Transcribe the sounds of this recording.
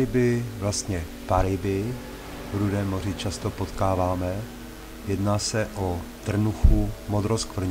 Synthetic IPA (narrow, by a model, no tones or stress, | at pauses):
ɪbɪvlast̪ɲɛ | paɾɪbɪ | vɾudɛːmːo̞r̝ɪt͡ʃast̪opo̞t̪kaːvaːmɛ | jɛdnaːsɛʔot̪r̩nuxumod̪ɾoskvr̩ɲ